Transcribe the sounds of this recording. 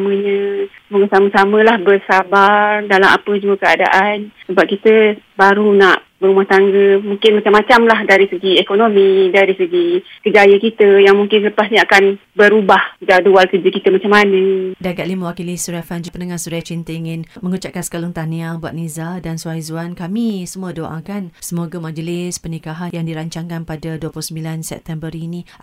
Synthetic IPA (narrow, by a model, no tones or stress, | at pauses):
aməɲə̃ | buŋasaməsamə̃lahbərsabardalamʔa̰pəd͡ʒuəkəada̰ʔansəbap̚kit̪əbaɾunaʔ | bəɾubaht̪aŋɡəmuŋkɪnmat͡ʃamːat͡ʃamlahdaɾisəɡiekonomidaɾisəɡikəd͡ʒajəkit̪əjaŋmuŋkɪnləpasɲəakanbəɾubahidaʔdualkəd͡ʒəkit̪əmat͡ʃamanədankatʔlimə̃wakilisuɾafand͡ʒpənaŋasuɾat͡ʃint̪əiŋɪnmə̃ŋut͡ʃaʔ̚kansə̥kalʊŋt̪aniaŋba̰ʔ̚nizadanswaizuankamĩsəmũədoʔa̰kansəmoɡamad͡ʒəlɪspənikaɦanjaŋdiɾaɲt͡ʃaŋkanpadaduəpulusəmbilansɛ̰p̚t̪ɛmbəɾinĩ